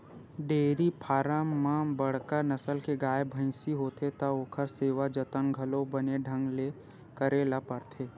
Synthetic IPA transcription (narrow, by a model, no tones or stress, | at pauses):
ɖeːɾipʰaːɾamːãbɐɽ̤kanəsəlkeɡaːebʱə̃ɪsiɦoːt̪ʰet̪ɐoːkʰəɾseːʋad͡ʒət̪ənɡʱɐlobəneɖʱə̃ŋɡle | kəɾeːlapəɾt̪ʰeː